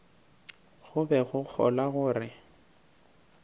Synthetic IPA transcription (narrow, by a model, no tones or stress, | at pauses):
ɣʊbɛɣʊk͡xʰɔ̰laɣʊːrɪ